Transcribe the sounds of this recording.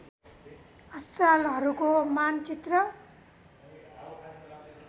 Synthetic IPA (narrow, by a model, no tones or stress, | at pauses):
ʌst̪ɾalɦʌɾukomant͡sit̪rʌ